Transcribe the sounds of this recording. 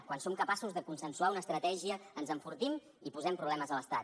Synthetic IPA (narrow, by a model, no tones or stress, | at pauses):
kwansomkəpasuzðəkunsənsuaunəːst̪ɾət̪ɛʒiəːnzəɱfuɾt̪im | ipuzɛmpɾuβlɛməzələst̪at̪̚